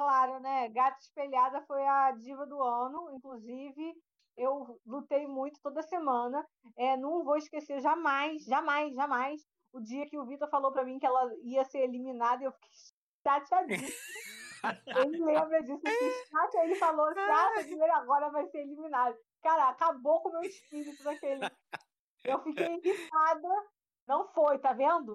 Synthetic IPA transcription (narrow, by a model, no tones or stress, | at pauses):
klaɾʊnɛɡat̪iʃpelad̪ɐfojɐd͡ʒivɐd̪ʊɐ̃nʊĩkluzivɪ | ewlut̪ejmũj̃t̪ʊ̥t̪od̪ɐsemɐ̃nɐ | ɛnɐ̃w̃vowɪiʃkeseɾʒamajsʒamajsʒamajs | ʊd͡ʒiɐkɪʊvit̪oɾfalowpɾɐmĩkɪɛlɐiɐseɾeliminad̪ɐewfi̥kejʃ | ʃat͡ʃɪad͡ʒisʊ | elɪlẽmbɾɐd͡ʒisʊkĩʃt̪at͡ʃelɪfaloaʃɐd͡ʒieɾaɡɔɾɐvajseɾeliminad̪ɐ | kaɾɐakabokõmewɪʃpiɾit̪ʊd̪akelɪ | ewfikejĩɦit̪ad̪ɐ | nɐ̃w̃fojt̪avẽnd̪ʊ